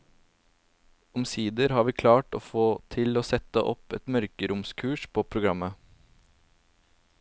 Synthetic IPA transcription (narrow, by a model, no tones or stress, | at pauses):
ɔmsiːd̪əɾhɑːɾʋiːkʰlɑːʈo̰ːfoːt̪ʰɪloːsɛt̪əʔɔ̰pɛt̪mœɾkəɾʊmskʰʉːʂpʰoːpʰɾʊɡɾɑmə